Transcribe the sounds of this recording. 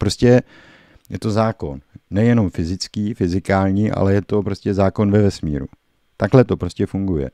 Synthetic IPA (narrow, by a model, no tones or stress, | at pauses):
pɾo̞scɛ | jɛt̪o̞zaːko̞nːɛjɛno̞mfɪzɪt͡skiːfɪzɪkaːlɲiːʔa̰lɛjɛt̪o̞pɾo̞scɛzaːko̞nvɛvɛsmḭːɾṵ | t̪aɡlɛt̪o̞pɾo̞scɛfuŋɡujɛ̰